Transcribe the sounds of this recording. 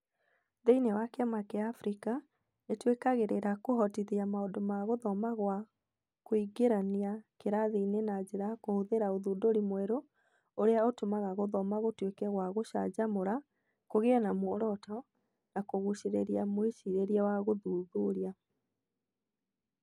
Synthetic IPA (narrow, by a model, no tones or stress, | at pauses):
ðeinewakeamakeaːfɾika | etwekaɣeɾeɾakoɦɔtiðiamaodomaɣoðɔmaɣwa | koiɡeɾaniakeɾaðeinenad͡ʑeɾakohoðeɾaoðuːdoɾimwɛɾo | oɾeaotomaɣaɣoðɔmaɣotwekɛɣwaɣoʃa̰d͡ʑamoɾa | koɣeɔnamwoɾɔtɔ | nakoɣuɕeɾeɾiamweʃiɾeɾiawaɣoðuːðuɾia